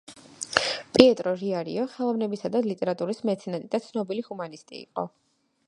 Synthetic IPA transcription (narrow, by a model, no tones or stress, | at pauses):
pʼiɛt̪ʼɾɔɾiaɾḭɔχɛlˠɔvnɛbisad̪alit̪ʼɛɾat̪ʼuɾismɛt̪sʰɛnɛt̪ʼid̪at̪sʰnɔbilihumanist̪ʼḭːqʼɔ̰